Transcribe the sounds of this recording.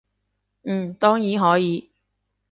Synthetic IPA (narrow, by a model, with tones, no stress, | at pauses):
m̩ː˨˩t̪ɔː˥ŋjiː˨˥ɦɔː˨˥jiː˨˥